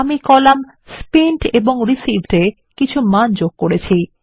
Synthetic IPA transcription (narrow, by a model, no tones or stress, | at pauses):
amikɔlam | spiɳʈeboŋɾisibʱʈe | kit͡ɕʰumand͡ʑoɡ̚koɾet͡ɕʰi